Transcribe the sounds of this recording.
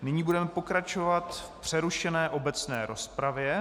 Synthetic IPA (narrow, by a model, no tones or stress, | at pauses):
nɪɲiːbudɛmɛpo̞kɾat͡ʃo̞vat̪fpr̝̥ɛɾuʃɛnɛːʔo̞bɛt͡snɛ̰ːɾo̞spɾavjɛ